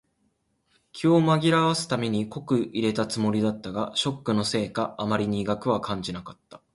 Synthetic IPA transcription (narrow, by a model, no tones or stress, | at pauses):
kʲʰiomaɡʲiɾaβasɨ̥t̪ame̞ɲ̟iko̞kɯ̟iɾe̞t̪at͡sɨmo̞ɾʲid̪at̪ːaɡaɕo̞kːɯ̟no̞se̞ːkaːmaɾʲiɲ̟iːɡakɯ̟βakãɲ̟d͡ʑinakat̪ːḁ